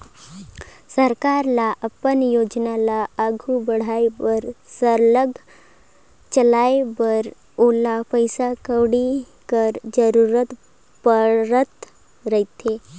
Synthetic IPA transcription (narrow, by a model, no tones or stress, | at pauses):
səɾkaːɾlaʔəpənjoːd͡ʒnalaəɡʱubəɽ̤aebəɾsəɾləɡ | t͡ʃəlaebəɾ | oːlapəjsakəwɽi | kəɾd͡ʒəɾuːɾət̪ | pəɾət̪ | ɾəɦit̪ʰe